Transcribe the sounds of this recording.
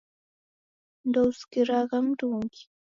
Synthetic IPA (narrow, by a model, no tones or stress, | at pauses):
d̪oskɪɾɑɢɑmɾuŋkɪ̥